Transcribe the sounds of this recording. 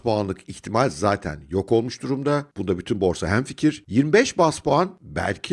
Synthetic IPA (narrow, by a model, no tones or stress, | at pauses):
poanlˠɯkʰiçt̪ʰimalʲzaːt̪ʰæ̰njo̞kʰo̞lˠmuʃd̪uɾumd̪ab̥und̪abyt̪ʰynbo̞ɾsaɦæmficʰiɾ̥jiɾmibɛʃbaspoanbæ̰lʲcʰi